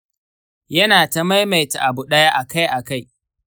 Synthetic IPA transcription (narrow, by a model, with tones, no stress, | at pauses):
jɐ˦naː˨tɐ˦ma˦jma˨jta̰˨ʔa˨bʊ˨ɗɐ˦ja˦ʔa˨ka˦jʔa˨ka˦˨j